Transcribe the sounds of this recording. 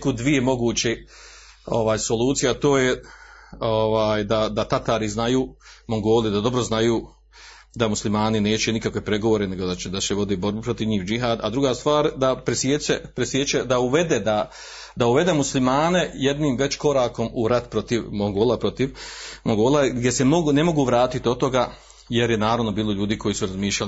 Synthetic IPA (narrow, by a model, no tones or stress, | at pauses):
kud̪ʋijemo̞ɡuːt͡ɕe | o̞̰ʋaːjso̞lˠuːt̪sijat̪o̞ːje | oʋaːjd̪ad̪at̪at̪aːɾiznajuːmoŋɡo̞ːlˠid̪ad̪o̞bɾoznajuː | d̪amuslimaːnine̞ːt͡ʃenikakʋepɾeɡo̞ʋoːɾene̞ɡo̞d̪aed̪aseʋo̞d̪ibo̞ɾbupɾo̞t̪iʋɲiːwd͡ʒiɦaːd̪a̰d̪ɾuɡaːst̪ʋaːɾd̪apɾesjet͡ʃepɾesjet͡ʃed̪auʋe̞d̪eːd̪a | d̪auʋe̞d̪e̞ːmuslimaːne̞je̞d̪niːmʋe̞t͡ɕko̞ɾaːko̞muɾat̪pɾo̞t̪iʋmoŋɡoːlˠapɾo̞t̪iʋmoŋɡoːlaɡd̪ʲje̞semoɡune̞mo̞ɡuːʋɾaːt̪it̪io̞t̪o̞ɡaː | je̞ɾjenaːɾaʋno̞biːlˠo̞ʎuːd̪iːkʰo̞jiːsuɾazmiːʃʎal